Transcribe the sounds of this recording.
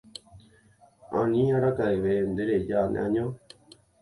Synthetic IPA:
ã̰nĩaɾakaeʋend̪eɾed͡ʒanḛ̃ʔãɲõ

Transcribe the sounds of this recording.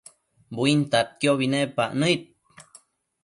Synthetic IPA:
buint̪at̪̚kjoβinepa̰ʔnəit̪̚

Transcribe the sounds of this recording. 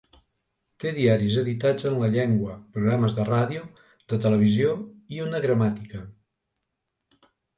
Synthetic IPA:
t̪eðiaɾizəðit̪ad͡zənləʎeŋɡwəpɾuɣɾaməzðəraðiu | ðət̪ələβ̞izioiunəɣɾəmat̪ikə

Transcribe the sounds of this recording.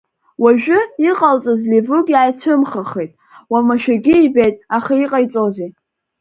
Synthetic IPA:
waʒᶣʊiqʼalt͡sʼazlevʊɡjajt͡sʷʰɨmχaχejtʼ | wamaʃᶣaɡʲɪibejtʼaχaiqʼajt͡sʼoze

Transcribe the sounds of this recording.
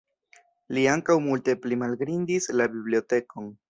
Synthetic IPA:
liaŋkawmulte̞plimalɡɾindislabiblio̞te̞ko̞n

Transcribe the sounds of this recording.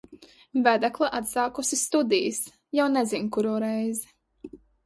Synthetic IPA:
væd̪aklˠaʔat̪saːkusist̪ud̪ijs | jawnɛzinkuɾɔːɾɛjzɛ

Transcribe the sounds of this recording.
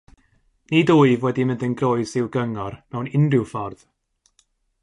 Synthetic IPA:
nidoːɨvwɛdimɪ̃ndənɡroːɨzɪwɡəŋɔrmɛwnɪndɪwfɔrð̥

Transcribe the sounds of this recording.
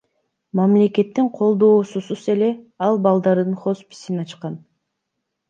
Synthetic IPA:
mɑmle̞ke̞t̪ːiɴqʰo̞lˠd̪o̞ːsusuze̞le̞ɑlˠbɑlˠd̪ɑɾɯd̪ɯnχo̞spi̥sinɑt͡ʃqɑn

